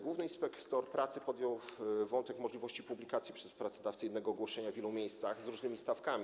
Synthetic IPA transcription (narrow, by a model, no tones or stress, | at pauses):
ɡwuvnɘinspɛkt̪ɔɾpɾat̪sɘpɔd̪jɔwvɔnt̪ɛkmɔʐlʲivɔɕt͡ɕipublʲikat̪sʲjipʂɛspɾat̪sɔd̪aft̪sɘjɛd̪nɛɡɔːɡwɔʂɛɲavʲjɛlumʲjejst̪saxzɾuʐnɘmʲist̪afkamʲi